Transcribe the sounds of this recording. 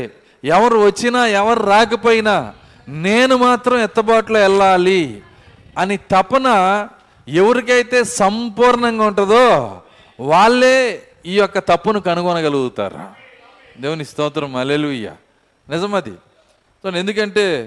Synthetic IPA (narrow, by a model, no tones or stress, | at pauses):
ɛʋɐɾuʋɐt͡ʃːinaːɛʋɐɾɾaːk̬ɐpoːjinaː | neːnumaːt̪ɾɐmɛt̪ːɐbaːʈloːɛlːaːli | ɐnit̪ɐpːɐnɐ | e̞ʋɐɾik̬ɐjt̪e̞ːsɐmpuːɾɳɐŋɡaːuɳʈɐd̪oː | ʋaːɭːe̞ː | iːjɔkːɐt̪ɐpːunukɐnuɡɔnɐɡɐluɡut̪a̰ːɾa̰ː | d̪eːʋunist̪ɐːʋt̪ɾɐmɐleːluuja̰ː | nɪzɐmɐt̪ḭ | soend̪ukɐɳʈe̞ː